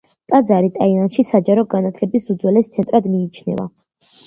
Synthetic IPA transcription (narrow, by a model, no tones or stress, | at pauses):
t̪ʼad̪zaɾit̪ʼailanʃisad͡ʒaɾɔɡanat̪ʰlɛbisud̪zwɛlɛst̪sʰɛnt̪ʼɾad̪miːt͡ʃʰnɛ̰va̰